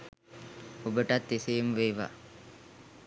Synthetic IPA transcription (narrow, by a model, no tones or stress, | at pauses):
ubəʈɐt̪ːeseːmʋeːʋa̰ː